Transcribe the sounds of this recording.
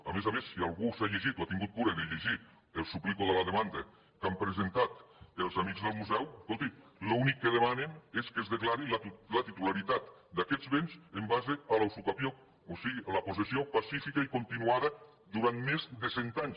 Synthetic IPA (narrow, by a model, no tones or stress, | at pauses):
a̰mezamesːialˠɣusaʎeʒit̪oat̪iŋɡut̪̚kuɾeðeʎeʒi | elˠsuplikoðelaðemand̪a | kampɾezent̪at̪elˠzamikzðəlˠmuzɛweskolˠt̪ilounikːəðemaneneskezðeklaɾilalat̪it̪ulaɾit̪at̪d̪akɛzβenzembazealawsukapjo | osiɣialaposesiopasifikaikont̪inuaðə | d̪uɾant̪mezðesent̪aɲs